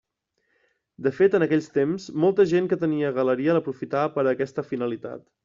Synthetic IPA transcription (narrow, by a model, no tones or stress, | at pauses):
d̪əfet̪ənəkɛʎst̪emzmɔlˠt̪əʒeŋkət̪əniəɣələɾiələpɾufit̪aəpəɾəːkɛst̪əfinəlit̪a̰t̪